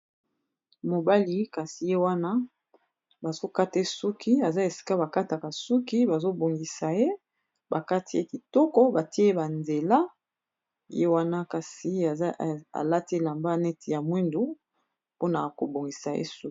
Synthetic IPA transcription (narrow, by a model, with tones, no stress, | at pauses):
mo˨ba˦li˨˦ka˨si˨je˦wa˦na˦ | ba˨zo˦ka˦te˦su˦kʰi˦a˨za˦e˨si̥˨ka˦ba˨ka˦ta˨ka˨su˦ki˦ba˨zo˦bo˨ŋɡi˨sa˨je˦ | ba˨ka˦ti˦ḛ˦ki˨tɔ˦kɔ˦ba˨ti˦e˦ba˨nze˨la˦ | je˦wa˦na˦ka˨si˨˦˨a̰˨la˦te˦la˨mba˦nɛ˦ti˨ja˨mwe˦ndu˦ | po˦na˨ko˨bo˨ŋɡi˨sa˨jḛ˦su˦˨